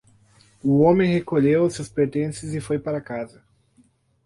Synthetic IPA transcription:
ʊõmẽj̃hekoʎewʊsewspeɾt̪ẽsɪzɪfojpaɾɐkazɐ

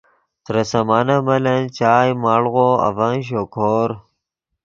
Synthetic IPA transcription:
t̪ɾɐsɐmaːnɐmɐlɐnt͡ɕaːjmaːɭɣoɐ̰vɐŋɕ̬okʰoːɾ

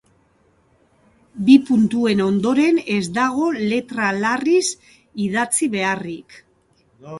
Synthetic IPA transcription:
bipunt̪ue̞no̞nd̪o̞ɾe̞ne̞zd̪aɣ̞o̞le̞t̪ɾalaris | ið̞at͡siβe̞arik

